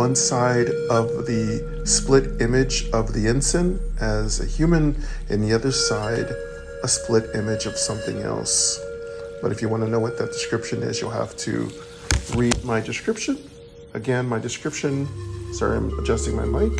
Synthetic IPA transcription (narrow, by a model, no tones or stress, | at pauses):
ʌ̃nsaɪɾʌvðɨ | splɪɾɪ̃mɪd͡ʒʌvðiɪ̃nsɨ̃nʔɨzɨ̰hjʉmɨ̃nʔɨ̰̃nðiʌðə˞saɪɾ | əspʰlɪɾɪ̃mɨd͡ʒʌv̥sʌ̃mθɪ̰̃ŋɛ̰lˠs | b̥ʌɾɨfjɨwɑ̃nɨnoʊwʌt̪̚ðɨt̚d̥ɨ̥skɹ̥ɪpʃɨ̃nɪ̰zjɨ̰lˠhæ̰ftʰɨ̰ | ɹid̚maɪdɨskɹ̥ɪpʃɨ̃n | ɨɡɛ̃nmaɪdɨskɹɪpʃɨ̃nsoã̰ɪ̃məd͡ʒʌstɪ̃ŋma̰ɪmaɪ̃t̚